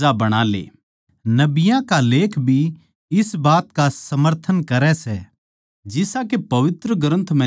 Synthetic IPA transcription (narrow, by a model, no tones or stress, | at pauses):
abɐɽ̃aːlḛː | nɐbɪjãkaleːkʰbʱi | ɪsbaːt̪kasɐməɾt̪ʰənkɐɾɛsɛ | d͡ʒɪsakepɐʋɪt̪ɾəɡɾə̃nt̪ʰm̤ɛ̃